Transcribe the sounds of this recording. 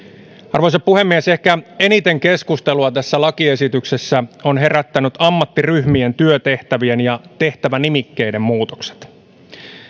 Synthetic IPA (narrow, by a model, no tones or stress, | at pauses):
ɑrʋo̞jsɑppuhe̞mːiese̞hkæe̞nit̪e̞ŋke̞skust̪eluɑt̪æsːælɑkie̞sit̪yksesːæo̞nɦe̞ræt̪ːænyt̪ɑmːɑt̪ːiryhmie̞nt̪yøt̪e̞ht̪æʋie̞njɑt̪e̞ht̪æʋænimikːe̞jde̞mmuːt̪o̥kse̥t̪